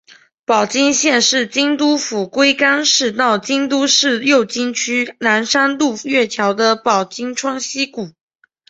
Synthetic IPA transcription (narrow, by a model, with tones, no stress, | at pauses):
pɑ˨˩ʊt͡ɕi˥ŋɕjɛ˥˧nʂɻ̩˥˩t͡ɕi˥ŋt̪u˥fu˨˩kwe˥ɪka˥nʂɻ̩˥˧t̪ɑ˥˩ʊt͡ɕi˥ŋt̪u˥ʂɻ̩˥˧ljo˥˩ʊt͡ɕi˥ŋt͡ɕʰy˥na˧˥nʂa˥nlu˥˧ɥɛ˥˩t̪ʰjɑ˧˥ʊd̪ə˧pɑ˨˩ʊt͡ɕi˥ŋʈ͡ʂʰwɑ˥ŋɕi˥ku˨˩˦